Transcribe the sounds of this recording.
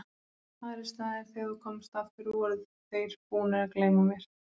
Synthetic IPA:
aðɾɪst̪aɛɾθeɣakʰɔmst̪aft̪ɪɾɔɾɪð | θejɾ̥puːnɪɾakleːjmʏmjɛɾ̥

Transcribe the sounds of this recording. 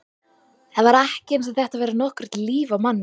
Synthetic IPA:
θɛðvaɾɛhcɪɛns̬aðθɛht̪avɛːɾanɔhkvʏɾ̥t̪liːvawmanː

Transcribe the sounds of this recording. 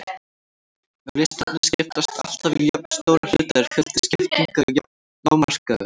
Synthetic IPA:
ɾɪst̪ant̪nɪscɪft̪ast̪ʰa̰l̥t̪aviðjɔp̚n̥st̪owɾal̥ʏt̪aɾ̥fʏl̥t̪ɪ̥scɪft̪iŋkaj | nawmar̥kaʏ

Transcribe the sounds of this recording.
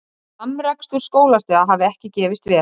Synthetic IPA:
amɾakst̪uɾ̥skoːwlast̪ɛːðaɦaːvðɪɛhcɪcɛːvɪst̪vɛ

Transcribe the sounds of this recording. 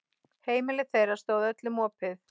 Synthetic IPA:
heːjmɪlɪθejɾaɾ̥st̪oːwðœt̪lɪmɔːpɪθ

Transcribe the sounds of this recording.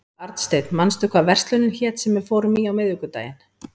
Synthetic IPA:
aɾt̪st̪ejt̪nmanst̪ʏkvavɛr̥t̪lœɥnɪnçɛːt̪sɛmːɛðfoːwɾʏmiawmɪðʏkʏt̪a̰ːjɪn̥

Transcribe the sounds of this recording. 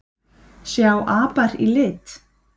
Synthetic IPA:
sjawʔaːpaɾḭlɪːt̪

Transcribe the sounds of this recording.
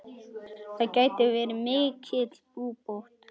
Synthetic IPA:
θaðcaːjt̪ɪvɛːɾɪmɪːcʰɪt̪lpuːpowht̪

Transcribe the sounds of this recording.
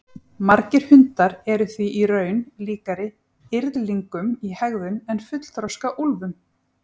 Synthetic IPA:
maɾcɪɾ̥hʏnt̪aɾɛɾʏθviʔirœːɥnliːkaɾɪ | ɪɾðliŋkʏmihɛɣðʏmɛnfʏt̪l̥t̪ɾɔskaʔulvʏm

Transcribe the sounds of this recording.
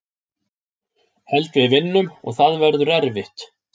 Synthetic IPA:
hɛlt̪vɪðvɪnːʏmɔ̰ɣθaðvɛɾðʏɾɛɾvɪht̪

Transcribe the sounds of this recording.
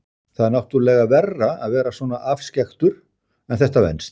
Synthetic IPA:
θaðaɾnawht̪ʏɾlɛːɣavɛrːaaðvɛːɾasvɔːnaʔafscɛxt̪ʏɾ̥ | ɛnθɛht̪avɛ̰nst̪

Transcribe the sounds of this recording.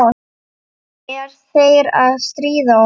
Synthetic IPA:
ɛɾ̥θejɾaðst̪ɾiːða

